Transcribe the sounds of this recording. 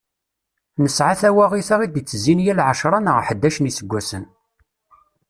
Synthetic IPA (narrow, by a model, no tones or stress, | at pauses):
nəsʕaθæwæʁiθaʁid̪it͡sːəzːinjælʕəʃɾˤɑnəʁħəd̪ːæʃənisəɡʷːæsən